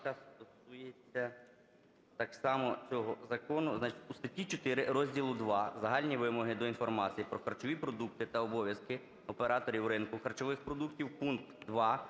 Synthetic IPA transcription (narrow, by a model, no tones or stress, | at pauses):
kɑst̪ɔsujet͡sʲːɐ | t̪ɑksɑmɔt͡sʲɔɦɔzɐkɔnʊznɑt͡ʃɪ̥tʲust̪ɐtʲit͡ʃɔt̪ɪɾɪɾɔzʲdʲilˠʊd̪ʋɑzɐɦɑlʲnʲiʋɪmɔɦɪd̪ɔinfɔrmɑt͡sʲijipɾɔxɐrt͡ʃɔʋʲipɾɔd̪uk̚t̪ɪt̪ɐɔbɔʋʲjɐskɪ | ɔpeɾɑt̪ɔɾʲiwɾɪnkʊxɐrt͡ʃɔʋɪxpɾɔd̪uktʲiwpunkt̪d̪ʋɑ